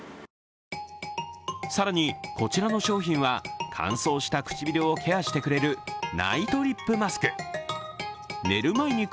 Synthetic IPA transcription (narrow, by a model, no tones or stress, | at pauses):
saɾaɲ̟iko̞t͡ɕiɾano̞ɕo̞ːçĩɰ̃βakʰã̰ɰ̃so̞ːɕi̥t̪akɯ̟̥t͡ɕibʲiɾʲeo̞ːkʰe̞aɕi̥t̪e̞kɯ̟ɾe̞ɾɯ̟na̰it̪o̞ɾʲipːɯ̟masɨ̥kɯ̟̥ | ne̞̰ɾɯ̟maiɲ̟i